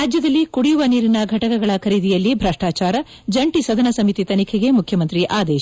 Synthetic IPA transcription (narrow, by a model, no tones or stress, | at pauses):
ɾaːd͡ʒjɐd̪ɐlːikuɽijuʋɐniːɾinɐɡʱɐʈɐkɐɡɐɭɐkʰɐɾid̪ijɐlːibʱɾɐʂʈaːt͡ʃaːɾɐ | d͡ʒɐɳʈisɐd̪ʱɐnɐsɐmit̪it̪ɐnikʰeɡe̞mukʰjɐmɐnt̪ɾiʔaːd̪eːʃ